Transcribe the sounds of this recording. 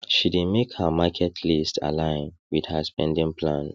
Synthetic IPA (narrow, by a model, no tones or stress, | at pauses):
ʃidĩmekhəmakʰɛtʰlistʰa̰lãɪ̃nwidhəspɛ̃ndĩŋpʰlãn